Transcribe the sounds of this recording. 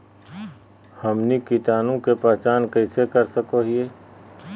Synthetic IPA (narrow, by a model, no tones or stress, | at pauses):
hɐmnikit̪aːnõkepəːt͡ʃaːnkɐɪsekɐɾsəkoɦieː